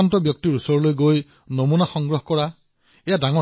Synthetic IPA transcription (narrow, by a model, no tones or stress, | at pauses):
antɔbjɔk̚tiɹusɔɹɔlojɡoj | nomunaxɔŋɡɹɔɦkɔɹa | ejadaŋɔ